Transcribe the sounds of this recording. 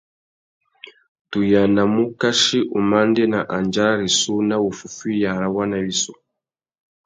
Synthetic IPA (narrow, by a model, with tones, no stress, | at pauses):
tu˨ja˨na˨mu˦ka˦ʃi˦ʔu˨ma˦ndɛ˦na˨ʔa˨nd͡ʒa˦ɾa˦ɾi˨su˦na˦wu˨fu˨fi˦ja˨ɾa˦wa˦na˨βi˦su˨